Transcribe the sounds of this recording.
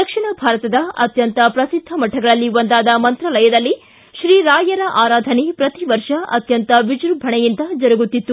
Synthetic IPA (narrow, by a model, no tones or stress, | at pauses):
d̪ɐkʂiɳɐbʱaːɾɐt̪ɐd̪ɐɐt̪jɐnt̪ɐpɾɐsid̪ʱːɐmɐʈʰːɐɡɐɭɐlːiʋond̪aːd̪ɐmɐnt̪ɾɐlɐjɐd̪ɐlːi | ʃɾiːɾaːjɐɾɐʔaːɾaːd̪ʱɐnepɾɐt̪iʋɐɾʂɐɐ̰t̪jɐnt̪ɐʋid͡ʒɾubʱɐɳɛjint̪ɐd͡ʒɐɾɐɡut̪ːit̪ːu